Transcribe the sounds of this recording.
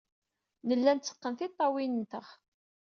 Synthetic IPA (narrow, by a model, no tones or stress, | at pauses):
nəlːænt͡sːə̥qːənθit̪ˤːɑwinnt̪əχ